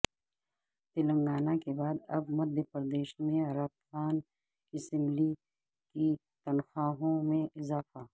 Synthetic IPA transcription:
t̪ɪlə̃ŋɡaːnakebaːd̪ɐbmɐd̪ʱjəpəɾd̪eːʃmẽɐɾaːt̪xaːn | ɪsɛ̃mli | ki | t̪ɐnxaːɦõmẽɪzaːfaː

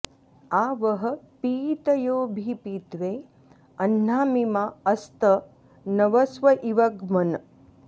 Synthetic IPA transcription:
aːʋɐɦɐ̆piːt̪ɐjoːbʱipiːt̪ʋeː | ɐnːaːmimaɐst̪ɐ | nɐʋɐsʋɐʔiʋɐɡmɐn

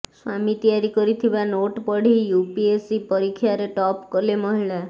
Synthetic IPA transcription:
swamit̪ijaɾikɔɾit̪ʰibanoʈpɔɽ̤ijupiesipɔɾikʰjaɾeʈɔpkɔlemɔɦiɭa

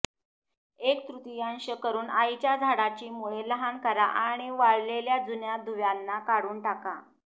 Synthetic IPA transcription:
ek̚t̪ɾut̪ijanɕəkəɾuːnait͡ɕjad͡zʱaɽat͡ɕiːmuɭeləɦankəɾaʔaɽ̃iʋaɭleljad͡zunjad̪ʱuʋjanːakaɽuːnʈaka

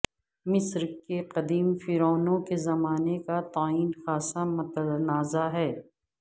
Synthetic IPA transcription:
mɪsɾkeqɐd̪iːmfiɾɔːnõkezɐmaːnekat̪aːiːnxaːsamʊt̪ənaːzaɦɛː

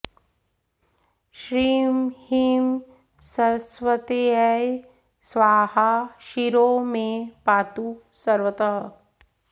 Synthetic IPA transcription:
ʃɾiːmhiːm | sɐɾsʋət̪eɐj | sʋaːhaʃiɾoːmẽpaːt̪u | sɐɾʋət̪ɐɦə

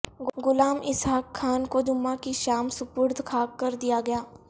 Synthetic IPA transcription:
ɡʊlaːmɪsɦaːkʰːaːnkod͡ʒʊmãkiʃaːmsʊpʊɾd̪kʰaːkːəɾd̪ijaɡɐjaː

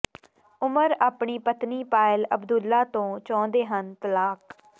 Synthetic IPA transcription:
ʊməɾaːpɳiːpət̪niːpaːɪləbd̪ʊlːaːt̪õːt͡ʃɔ̃ːnd̪eːɦənt̪əlaːk

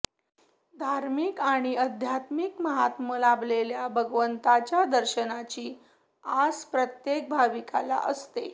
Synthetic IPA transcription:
d̪ʱaɾmikaɽ̃iəd̪ʱjat̪mikməɦat̪məlaʋleljabʱəɡʋənt̪at͡ɕjad̪əɾɕənat͡ɕiː | aspɾət̪jek̚bʱaʋika̰la̰ʔəst̪e

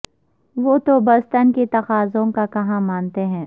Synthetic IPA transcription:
ʋoːt̪obɐst̪ənket̪ɐxaːzõkakɐɦãmaːnt̪eɦɛ̃ː

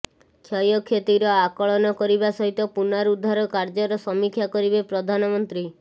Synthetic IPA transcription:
kʰjɔjɔkʰet̪iɾɔakɔɭɔnɔkɔɾibasɔɦit̪ɔpunaɾud̪ʱːaɾɔkaɾd͡ʒɔɾɔsɔmikʰjakɔɾibepɾɔd̪ʱanɔmɔnt̪ɾi

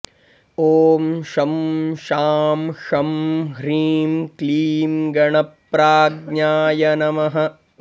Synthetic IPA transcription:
oːmʃɐmʃaːmʃɐmɦɾiːmkliːmɡɐɳɐpɾaːɡ̚ɲaːjɐnɐmɐɦɐ̆

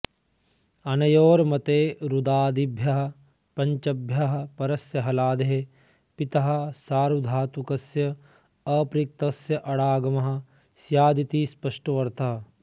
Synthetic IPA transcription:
ɐnɐjoːɾmɐt̪eːɾud̪aːd̪ibʱjɐɦɐ̆ | pɐɲt͡ʃɐbʱjɐɦɐ̆pɐɾɐsjɐɦɐlaːd̪eɦe | pit̪ɐɦɐ̆saːɾud̪ʱaːt̪ukɐsjɐ | ɐpɾik̚t̪ɐsjɐʔɐɽaːɡɐmɐɦɐ̆ | sjaːd̪it̪iːspɐʂʈoʋɐɾt̪ɐɦɐ

